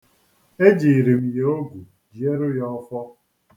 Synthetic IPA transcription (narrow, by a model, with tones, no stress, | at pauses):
e˦d͡ʒi˨ɾi˨m̩˨je˨o˦ɡʷu˨ | d͡ʒi˨e˦ɾʊ˦jɔ˦fɔ˦